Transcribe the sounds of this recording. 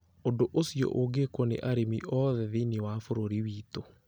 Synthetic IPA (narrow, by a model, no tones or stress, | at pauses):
ondoʔosjɔ̰ʔoɡekonḛʔaɾemiʔɔðɛðinewafoɾoɾiwiːto